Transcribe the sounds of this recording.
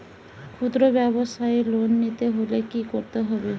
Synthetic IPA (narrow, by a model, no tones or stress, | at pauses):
kʰud̪ɾɔbjabɔsajlonːit̪eɦolekikɔɾt̪eɦɔbe